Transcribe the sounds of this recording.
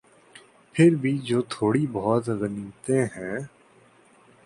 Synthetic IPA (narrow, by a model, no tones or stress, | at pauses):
pʰɪɾbʱid͡ʒoːt̪ʰoːɽibɔːt̪ɣəniːt̪eɦɛ̃ː